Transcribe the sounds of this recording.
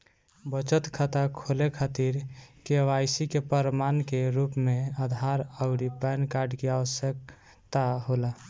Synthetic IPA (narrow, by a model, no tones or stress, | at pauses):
bət͡ʃət̪kʰat̪akʰolekʰat̪iɾkeʋajsikepəɾmankeɾupmead̪ʱaɾəʊɾipɛnkaɾɖkeaʋəsjək̚ | t̪aɦola